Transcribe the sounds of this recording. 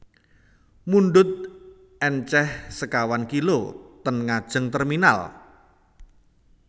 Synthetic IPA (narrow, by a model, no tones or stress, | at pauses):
munɖʊt̪̚ | ʔɛnt͡ʃɛhsəkawankilot̪ənŋad̥ʒ̥ə̤ŋt̪ɛrmina̰l